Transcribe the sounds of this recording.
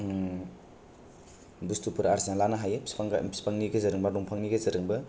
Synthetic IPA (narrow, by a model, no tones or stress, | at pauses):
bustupʰuɾaɾzanlanaɦajsŋspaŋniɡɐzɐɾɯŋbaɾɔŋpʰaŋniɡezɐɾɯŋbɐ